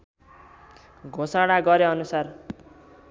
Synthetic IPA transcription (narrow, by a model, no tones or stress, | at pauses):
ɡʱosaɽ̃aɡʌɾeʌnusar